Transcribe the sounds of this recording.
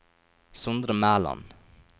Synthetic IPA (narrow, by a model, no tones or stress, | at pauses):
sʊnd̪ɾəmæːlɑ̰n